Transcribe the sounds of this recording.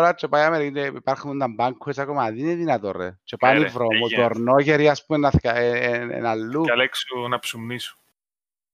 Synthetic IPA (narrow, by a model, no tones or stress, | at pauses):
ɾat͡ʃepajameɾikineipaɾχunnd̪ambaŋkʰuesakomaðineðinat̪orḛt͡ʃepaivɾomut̪oɾnoʝeɾiaspumenaθkaeḛnalːuɐleksunɐpsumnisu̥